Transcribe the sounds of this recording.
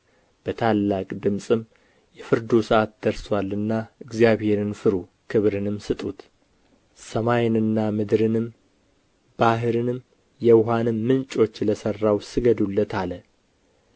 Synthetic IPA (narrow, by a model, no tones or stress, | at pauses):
b̥ət̪ʰalːakʼd̪ɨmsʼɨm | jɛfɨɾd̪usəʔat̪̚d̪əɾswalːɨnːaɨɡzijaβhe̞ɾɨnfɨɾu | kʰɨβɾɨnɨmːsɨt̪ʼut̪ | səmajnɨnːamɨd̪ɾɨnɨm | b̥aɦɨɾɨnɨm | jɛwɦanɨmːɨnt͡ʃʼo̞t͡ʃːləsərːawsɨɡəd̪ulːət̪ʰalə